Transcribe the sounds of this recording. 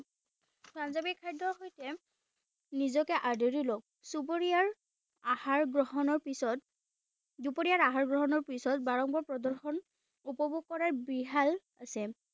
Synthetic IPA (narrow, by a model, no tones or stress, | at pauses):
pʰɹanzabikʰajdɔɦojtɛ | nizɔkɛʔaɹdɔɹilok̚supoɹiaɹ | ahaɹɡɹɔɦɔnɔɹpisɔt | dupoɹijaɹaɦaɹɡɹɔɦɔnɔɹpisɔt̚baɹɔŋbɔɹpɹɔdɔɹxɔn | upɔbuɡ̚kːɔɹaɹbiɦal | asɛ